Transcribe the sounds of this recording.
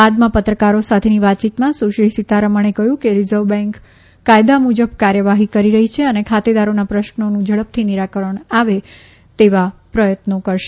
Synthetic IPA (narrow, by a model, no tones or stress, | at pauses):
ad̪mãpət̪ɾəkaɾosat̪ʰeniʋat̪̚t͡ʃit̪mãsuʃisit̪aɾəməɳ̃ekəɦjũkeɾizəʋbɛ̃ŋkː | ajd̪amud͡ʒəbkaɾjəʋaɦikəɾiɾəɦit͡ʃʰeənekʰat̪ed̪aɾonapɾəʃnonũd͡ʒəɭəp̚t̪ʰiniɾakəɾəɳ̃aʋe | t̪eʋapɾəjət̪nokəɾʃe